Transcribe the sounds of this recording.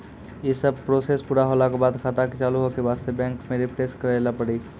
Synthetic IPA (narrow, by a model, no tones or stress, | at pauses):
jesɐb̚pɾoːsespuːɾaɦoːlakobaːd̪kʰaːt̪akit͡ʃaːluɦokeʋaːst̪ebɛ̃ːŋkmẽɾɪpɾeːskɐɾeːlapɐɽiː